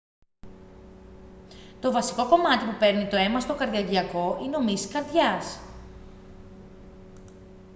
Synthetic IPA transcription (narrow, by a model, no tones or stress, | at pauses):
t̪o̞vɐsi̥ko̞ko̞mɐt̪ipupe̞ɾnit̪o̞e̞mɐst̪o̞kɐɾðiɐʝiɐko̞ʔineo̞misi̥kɐɾðʝɐs